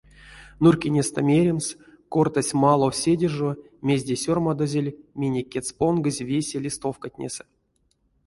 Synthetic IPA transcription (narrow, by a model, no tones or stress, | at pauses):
nurkʲenʲest̪amʲeɾʲems | kort̪asʲmalˠosʲedʲeʐo | mʲezʲdʲesʲormad̪ozʲelʲmʲenʲekʲːet͡s̪ponɡɨzʲvʲesʲelʲist̪ofkatʲnʲḛsə̥